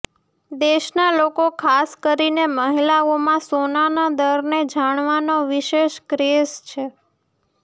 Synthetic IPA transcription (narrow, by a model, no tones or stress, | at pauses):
d̪eʃnalokokʰaskəɾineməɦilaomãsonanad̪əɾned͡ʒaɽ̃ʋanoʋiʃeʃkɾest͡ʃʰe